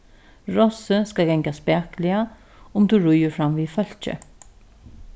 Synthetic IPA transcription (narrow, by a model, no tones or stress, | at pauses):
ɹɔsəskaɡɛŋkaspɛːklɪa | ʊmd̪uɹʊjəɾfɾamʋiːfœl̥t͡ʃə̰